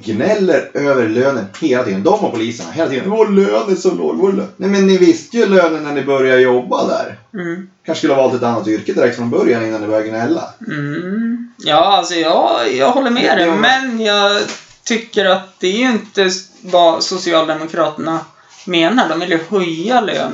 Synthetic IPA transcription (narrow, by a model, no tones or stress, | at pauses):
ɡnɛlːəɾøːvəɾɭøːnənheːlat̪iːd̪ənd̪ɔmhaɾpʰʊliːsəɳa̰ɦeːlat̪iːd̪ənvoɾløːnəsɔmlo̰ːɡvʊɾlønɛmɛnːɪvɪst̪əjɵløːnənːæɳɪbœɾjaɾjɔbːad̪æ̰ɾm̩ːkʰanʂkɵləhavɑːlt̪ɛt̪anːat̪ʏɾkəd̪ɪɾɛk̚t̪fɾɔnbœɾjanɪnːanɪbœɾjaɡnɛlːa̰m̩ | jɑːalsɔjɑːjɑːɡhɔlːəɾmɛːd̪ɛmmɛnjɑːɡt̪ʰʏkːəɾat̪̚d̪ɛæjɪnt̪əvasʊsɪɑːld̪ɛmʊkʰɾɑːt̪əɳa | meːnaɖɔmvɪljɵhɵjːalø̰ːn